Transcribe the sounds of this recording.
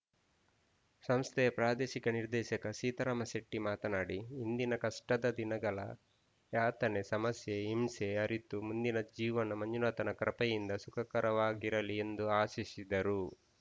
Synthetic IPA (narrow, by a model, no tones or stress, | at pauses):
sɐmst̪ʰɛjɐpɾaːd̪eːʃikɐniɾd̪ɛːʃɐkɐsiːt̪ɐɾaːmɐseʈːimaːt̪ɐnaːɽiind̪inɐkɐʂʈɐd̪ɐd̪inɐɡɐɭɐ̰ | jaːt̪ɐnesɐmɐsjeimseɐɾit̪ːumund̪inɐd͡ʒiːʋɐnɐmɐɲd͡ʒunaːt̪ɐnɐkɾɐpɐjind̪ɐsukʰɐkɐɾɐʋaːɡiɾɐlie̞nd̪uaːsisid̪ɐɾu